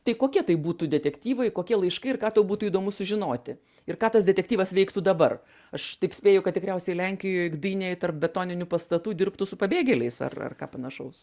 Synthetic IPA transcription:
t̪ɐɪkoːkʲiɛt̪ɐɪbuːt̪uːdʲɛt̪ʲɛkt̪ʲiːʋɐɪkoːkʲiɛlˠɐɪʃkɐɪɪrkɑːt̪ɐʊbuːt̪uiːd̪oːmʊsʊʒʲɪnoːt̪ʲɪ | ɪrkɑːt̪ɐsd̪ʲɛtʲɛkt̪ʲiːʋɐsʋʲɛɪkt̪uːd̪ɐbɐr | ɐʃt̪ɐɪpsʲpʲeːjɛʊkɐt̪tʲɪkɾʲɛʊsʲɛɪlʲɛŋʲkʲɪjoːjɡd̪iːnʲejt̪ɐrp̚bʲɛt̪oːnʲɪnʲupɐst̪ɐt̪uːd̪ʲɪrpt̪ʊsʊpɐbʲeːɡʲɛlʲɛɪsɐ̰rɐ̰rkɑ̰ːpɐnɐʃɐʊs

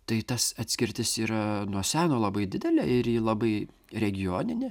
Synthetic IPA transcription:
t̪ɐɪt̪ɐsɐt̪ʲsʲkʲɪɾʲt̪ʲɪsiːɾɐnuɔsʲæːnoːlˠɐbɐɪd̪ʲɪd̪ʲɛlʲɛɪɾjiːlˠɐbɐɪ | ɾʲɛɡʲɪjoːnʲɪnʲɪ

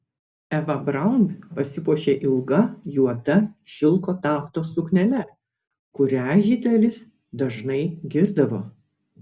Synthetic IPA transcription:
ɛʋɐbɾɐˑʊmʲpɐsʲɪpuɔʃʲeːʔɪlˠɡɐjuɔd̪ɐʃʲɪlˠkoːt̪ɑːft̪oːsʊknʲɛlʲɛ | kʊɾʲæːʒʲɪd̪ʲɛlʲɪs | d̪ɐʒnɐɪɡʲɪɾd̪ɐʋoː

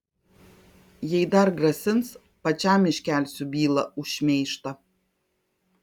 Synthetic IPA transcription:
jɛɪd̪ɐɾɡɾɐsʲɪns | pɐt͡ʃʲaːmʲɪʃʲkʲæːlʲsʲʊbʲiːlˠɐʊʃʲmʲɛɪʃt̪ɐ

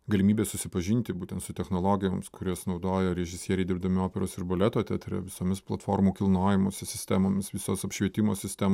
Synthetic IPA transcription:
ɡɐlʲɪmʲiːbʲeːsʊsʲɪpɐʒʲinʲt̪ʲɪbuːt̪ʲɛnt̪sʊt̪ʲɛxnoːlˠoːɡʲɪjoːmskʊɾʲoːsnɐʊd̪oːjɛɾʲɛʒʲɪsʲiɛɾʲɛɪd̪ʲɪɾbd̪ɐmʲɪoːpʲɛɾoːsɪɾbɐlʲɛt̪oːt̪ʲɛt̪ʲɾʲɛ̰ʋʲɪsoːmʲɪsplˠɐt̪foːɾmuːkʲɪlˠnoːjʲɪmoːsʲɪsʲɪsʲt̪ʲæmoːmʲɪsʋʲɪsoːsɐpʲʃʲʋʲiɛt̪ʲɪmoːsʲɪsʲt̪ʲæmː

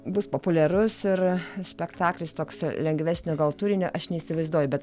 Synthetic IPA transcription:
bʊspoːpʊlʲɛɾʊsɪɾsʲpʲɛkt̪ɑːklʲɪst̪oːkslʲɛŋɡʋʲæːsʲnʲoːɡɐlˠt̪uːɾʲɪnʲoʔɐʃnʲɛisʲɪʋɐɪzd̪uɔjʊbʲɛt̪

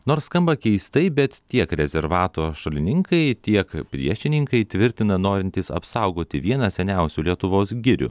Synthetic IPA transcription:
noːɾsskɐmbɐkʲɛɪst̪ɐɪbʲɛt̪t̪ʲiɛkɾʲɛzʲɛɾʋɑːt̪oːʃɐlʲɪnʲɪŋkɐɪt̪ʲiɛkpʲɾʲḭɛʃʲɪnʲɪŋkɐɪt̪ʲʋʲɪɾʲt̪ʲɪnɐnoːɾʲɪnʲt̪ʲɪsɐ̰psɑʊɡoːt̪ʲɪʋʲiɛnɐsʲɛnʲɛʊsʲuːlʲiɛt̪ʊʋoːsɡʲɪɾʲʊ̰

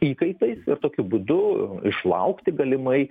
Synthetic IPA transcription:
iːkɐɪt̪ɐɪsɪ̰ɾt̪oːkʲʊbud̪ʊɪʃlˠɐ̰ʊkt̪ʲɪɡɐlʲɪmɐɪ

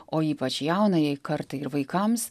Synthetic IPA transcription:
oːiːpɐt͡ʃjɛʊnɐjɛɪkɐɾt̪ɐɪɾʋɐɪkɐms

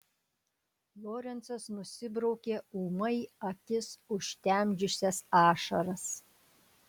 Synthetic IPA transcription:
lˠoːɾʲɛnt̪sɐsnʊsʲɪbɾɐʊkʲeːuːmɐɪɐkʲɪsʊʃʲt̪ʲæmʲd͡ʒʲʊsʲɛsɑːʃɐɾɐs

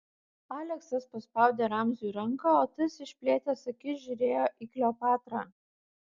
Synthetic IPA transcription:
ɑːlʲɛksɐspɐspɐˑʊd̪ʲeːɾɑmʲzʲʊiɾɐŋkɑːoːt̪ʲɐsɪʃʲpʲlʲeːt̪ʲesɐkʲɪʒʲʊɾʲeːjoːʔiklʲoːpɑːt̪ɾɑː

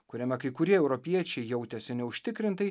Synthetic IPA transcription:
kʊɾʲɛmʲɛkɐɪkʊɾʲiɛɛʊɾɔpʲiɛt͡ʃʲɛɪjɛʊt̪ʲɛsʲɪnʲɛʊʃʲt̪ʲɪkɾʲɪnt̪ɐɪ

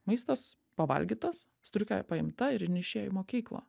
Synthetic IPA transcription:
mɐɪst̪ɐs | pɐʋɐ̰lʲɡʲiːt̪ɐs | st̪ɾʲʊkʲo̰ːjɛpɐɪmt̪ɐɪɾɪnʲɪʃʲeːjʊmoːkʲiːklˠɐ̰ː

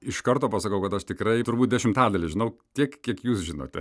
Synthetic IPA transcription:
ɪʃkɐrt̪oːpɑsɐkɐʊkɐt̪ɐʃt̪ʲɪkɾɐɪt̪ʊɾbuːt̪̚d̪ʲɛʃʲɪmt̪ɑːd̪ɐlʲɪʒʲɪnɐʊt̪ʲiɛkkʲiɛkjuːsʒʲɪno̰ːt̪ʲɛ

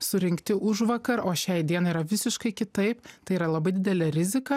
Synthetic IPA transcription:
sʊɾʲɪŋʲkt̪ʲɪʔʊʒʋɐkɐɾoːʃʲɛɪd̪ʲiɛnɐiːɾɐʋʲɪsʲɪʃkɐɪkʲɪt̪ɐɪpt̪ɐɪiːɾɐlˠɐbɐɪd̪ʲɪd̪ʲɛlʲɛɾʲɪzʲɪkɐ

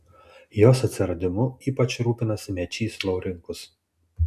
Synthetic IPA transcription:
joːsɐt̪ʲsʲɪɾɐd̪ʲɪmʊiːpɐt͡ʃɾuːpʲɪnɐsʲɪmʲɛt͡ʃʲiːslˠɔʊɾʲɪŋkʊs

